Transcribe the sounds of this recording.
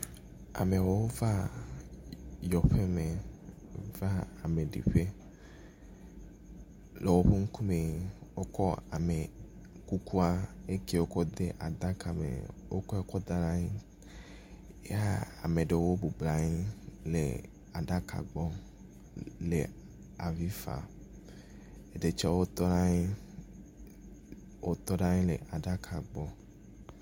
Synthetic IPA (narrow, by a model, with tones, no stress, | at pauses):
a̰˨me˨wo˦wo˦va˦ | jɔ˨ɸe˦me˨ | va˦a˨me˨ɖḭ˨ɸe˦ | le˨wo˦ɸe˦ŋ̩˦ku˦me˨wo˦kɔ˦a̰˨me˨ | ku˦ku˦a˨e˦ke˦˨wo˦kɔ˦d̪e˦ʔa˨d̪a˦ka˨mḛ˨wo̰˦kɔ˦e˦kɔ˦d̪a˦la˦ɲi˦ | ja˦a̰˨me˨ɖe˨wo˦bo˨bla˨ɲe˦lḛ˨ | a˨ɖa˦kʰa̰˨ɡ͡bɔ˦ | le˨ | a˨vi˦fa̰˨ | e˨ɖe˨t͡ʃɛ˦wo˦t̪ɔ˦nã˦ɲe˦ | wo˦t̪ɔ˦ɖã˦ɲe˦le˨ʔa˨ɖa˦kʰa˨ɡ͡bɔ˦